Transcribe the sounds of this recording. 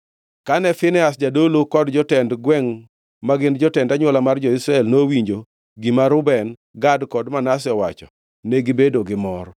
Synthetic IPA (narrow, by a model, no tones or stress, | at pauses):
kanɛfɪnɛas̬d͡ʒadolokɔdd͡ʒɔtɛndɡwɛŋ | maɡɪnd͡ʒɔtɛndaɲwɔlamard͡ʒɔisɾaɛlnowiɲd͡ʒo | ɡɪmaɾʊbɛn | ɡadkɔdmanas̬ɛɔwat͡ʃɔ | nɛɡɪbedoɡɪmɔɾ